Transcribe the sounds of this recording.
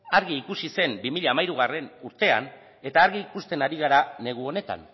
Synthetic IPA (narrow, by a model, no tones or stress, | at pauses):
aɾɣiːkusise̞mbimiʎaːmajɾuɣ̞are̞nuɾt̪e̞a̰n | e̞t̪aːɾɣiːkust̪e̞naɾiɣ̞aɾane̞ɣ̞uo̞ne̞t̪a̰n